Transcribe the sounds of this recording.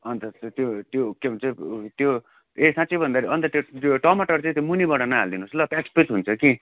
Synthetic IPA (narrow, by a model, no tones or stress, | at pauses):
ʌnt̪ʌt̪jot̪jokebʌnt͡saĩt̪jo | esãt͡sijbʱʌnd̪aɾiʌnt̪ʌt̪jojoʈʌmaʈʌrt͡sãĩt̪jomunibʌɽanaɦa̰ld̪inuslʌp̪ekspet͡sɦunt͡sʰʌki